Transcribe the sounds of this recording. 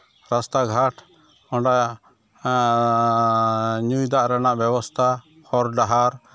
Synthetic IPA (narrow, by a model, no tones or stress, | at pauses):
ɾast̪aɡʱaʈʰ | ɔɖa | ɲujd̪aʔɾanaʔbjɛbɔst̪ʰa | hɔɾɖaɦaɾ